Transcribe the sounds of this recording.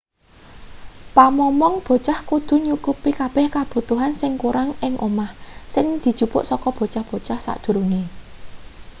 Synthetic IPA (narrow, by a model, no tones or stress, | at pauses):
pamɔmɔŋb̥o̤t͡ʃahkud̪̥ṳɲukupikab̥ɛ̤hkab̥ṳt̪uɦansɪŋkuɾaŋɪŋʔomahsɪŋd̪̥i̤̥ʒ̥ṳpʊ̰ʔsɔkɔb̥o̤t͡ʃahb̥o̤t͡ʃahsa̰ʔd̪̥ṳɾuŋe